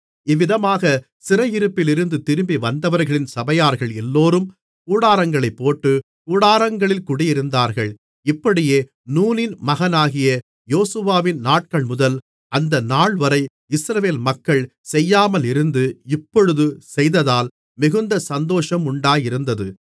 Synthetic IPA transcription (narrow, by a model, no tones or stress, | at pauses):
ɪʋːɪðɐmaːɣɐ | sɪɾɐjɪɾɯpːɪlɪɾɯnd̪ɯt̪ɪɾɯmbiʋɐnd̪ɐʋɐɾɣɐɭɪnsɐbɐjaːɾɣɐɭɛlːoːɾɯm | kuːɽaːɾɐŋɡɐɭɐɪpːoːʈːɯ | kuːɽaːɾɐŋɡɐɭɪlkʊɽɪjɪɾɯnd̪aːɾɣɐɭ | ɪpːɐɽɪjeː | nuːnɪnmɐɣɐnaːɣɪjɐ | joːsɯʋaːʋɪnnaːʈ̚kɐɭmʊðɐl | ʔɐnd̪ɐnaːɭʋɐɾɐɪ | ɪsɾɐʋeːlmɐkːɐɭ | sɛjːaːmɐlɪɾɯnd̪ɯɪpːɔɻɯðɯsɛjðɐðaːl | mɪɣɯnd̪ɐsɐnd̪oːʂɐmʊɳɖaːjɪɾɯnd̪ɐðɯ